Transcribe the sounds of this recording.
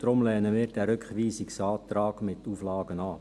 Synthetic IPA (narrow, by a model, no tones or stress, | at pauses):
d̥ɾʊmlɛːnəmiːɾd̥æɾʏkχʋiːsɪksɑːt̪ɾɑːɡ̥mɪt̪ːuːflɑːɡənɑː